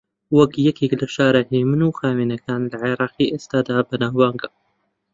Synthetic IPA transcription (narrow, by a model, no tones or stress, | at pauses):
wɐkjɐkiklaʃaːɾɪħiːmɨnuːxaːminɐkaːnlaʕeɾɑːqiːʔest̪aːd̪aːbɐnaːhwaːŋɡa